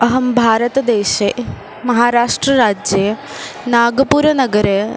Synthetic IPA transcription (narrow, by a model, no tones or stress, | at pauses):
ɐɦɐmbʱaːɾɐt̪ɐd̪eːɕe | mɐɦaːɾaːʂʈɾɐɾaːd͡ʒjɐj | naːɡɐpuːɾɐnɐɡɐɾe